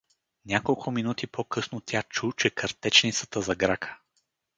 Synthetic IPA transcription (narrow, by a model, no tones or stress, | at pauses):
nʲakolˠkʰʊminut̪ipʰokʰɤsnot̪ʲat͡ʃut͡ʃɛkɐɾt̪ɛt͡ʃnit̪sə̥t̪əzɐɡɾakʰə̥